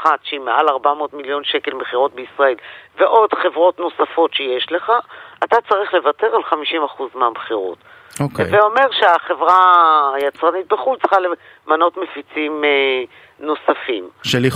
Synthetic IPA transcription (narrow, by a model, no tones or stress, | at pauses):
χat̪ʃeimeʔalaʁbamo̞ːtmiljo̞nʃe̞ke̞lmeχiʁo̞tbeisʁae̞lve̞ʔo̞dχe̞vʁo̞tno̞safo̞tʃejeʃle̞χaatat͡saʁiχle̞vate̞ʁalχamiʃimaχuzmeameχiʁo̞̰t | okveo̞me̞ʁʃeaχevʁajat͡sʁanit̪̚beχult͡sχale | mano̞tmefit͡sime | no̞safimʃeli